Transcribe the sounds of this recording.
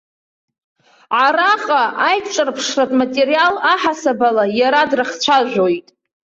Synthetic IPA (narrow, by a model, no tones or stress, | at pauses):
ʕaɾaqʼaʔajkʷʼʈ͡ʂʷʼɨrpʰʂratʼmatʼeɾijalaħasabalajaɾadrɨχt͡ɕʷʰaʒᶣʷojtʼ